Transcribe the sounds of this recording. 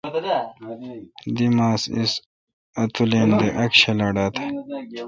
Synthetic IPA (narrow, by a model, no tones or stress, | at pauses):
d̪imaːsḭs | ɐt̪uleːnd̪eʔɐkɕelɐɖaːt̪ʰe